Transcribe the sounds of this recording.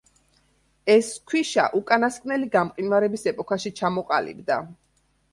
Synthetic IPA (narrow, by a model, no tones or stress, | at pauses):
ɛskʰwiʃa̰ʔukʼanaskʼnɛliɡamqʼinvaɾɛbisɛpʼɔkʰaʃit͡ʃʰamɔqʼa̰lḭbd̪a